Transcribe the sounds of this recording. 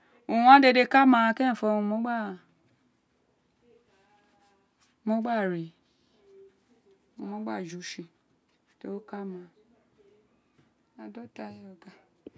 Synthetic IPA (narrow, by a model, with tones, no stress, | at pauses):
ũ˨˦a˦de˧de˧˦ka˦mã˧kɛ˦˨fɔ˧˨ũ˧mo˦ɡ͡ba˦˨ | mo˦ɡ͡ba˦˨ɾe˨ | u˧˨mo˦ɡ͡ba˦˨d͡ʒu˨˦ʃi˧ | te˦o˦ka˦mã˧ | a˨dɔ˦ta˧˨ɔ˨ɡa˨